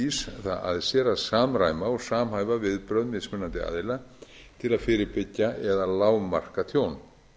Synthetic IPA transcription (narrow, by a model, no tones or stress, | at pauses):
isθaa̰ðsjɛɾaðsaːmɾa̰ːjmaɔɣsaːmɦaːjvavɪðpɾœðnmɪðsmʏnːant̪ɪa̰ːðɪlat̪ʰɪlaðfɪːɾɪɾpɪcːaʔɛðalaːwma̰r̥kat̪ʰjoːwn